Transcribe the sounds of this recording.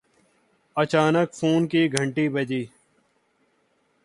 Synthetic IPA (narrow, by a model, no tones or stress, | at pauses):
ət͡ʃaːnəkfʰuːnkiːɡʱə̃ɳʈiːbəd͡ʒiː